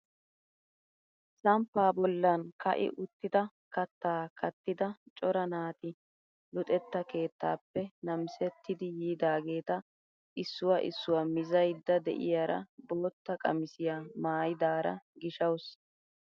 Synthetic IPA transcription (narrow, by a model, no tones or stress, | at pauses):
sɐmpːaːbɔlːɐnkɐ̰ʔɪ̰ʔʊt̪ːɪd̪ɐ | kɐt̪ːaːkɐt̪ːɪd̪ɐt͡ʃʼɔɾɐnaːt̪ɪ | lʊt̪ʼɛt̪ːɐke̞ːt̪ːa̰ːpːɛnɐmsɛt̪ːɪd̪ɪjiːd̪aːɡe̞ːt̪ɐ | ʔɪsːʊwɐʔɪsːʊwamɪzɐjd̪ːɐd̪ɛ̰ʔɪ̰jaːɾɐ̰bo̞ːt̪ːɐkʼɐ̰mɪsɪjaːmaːjd̪aːɾɐ̰ɡɪʃɐws